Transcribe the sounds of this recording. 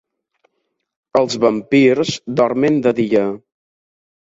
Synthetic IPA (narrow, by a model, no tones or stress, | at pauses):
əlˠzβəmpiɾzd̪ɔɾmend̪əðiə